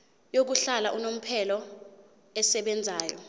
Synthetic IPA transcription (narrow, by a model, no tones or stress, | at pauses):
jok̬uɬalaʔunom̩pʰɛlɔ | ɛsɛɓɛnd͡zʱaːjɔ̰